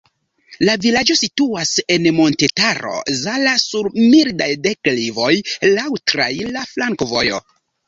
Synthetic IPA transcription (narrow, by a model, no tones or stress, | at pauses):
lavilad͡ʒo̞situase̞nmo̞ntetaɾo̞̰zalasuɾmildajdeklivo̞jlawtɾa̰jlaflaŋkovo̞̰jo̞̰